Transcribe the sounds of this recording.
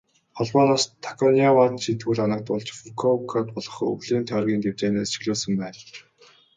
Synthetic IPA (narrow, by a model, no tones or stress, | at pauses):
χɔɮpɔːnaːst̪ʰḁkʰɔniawat̪t͡ɕʰiːnt̪ʰɡuɮanə̆k̚t̪ʊɮt͡ɕfukʰɔkʰat̪pɔɮ̥ɞ̥̆χɵ̰ɣɮeːnt̪ʰœːrɣʲiːnt̪ew̥t͡ɕeːneːsʃi̥ɣɮoːsə̆mpæːn